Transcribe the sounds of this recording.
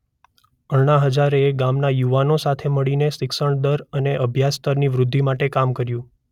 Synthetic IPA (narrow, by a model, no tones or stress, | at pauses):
əɭɳ̃aɦəd͡ʒaɾeɡamnajuʋanosat̪ʰeməɭinesɪkʃəɳd̪əɾəneʔəbʱjast̪ʰəɾniʋɾʊd̪ʱːimaʈekamkəɾjũ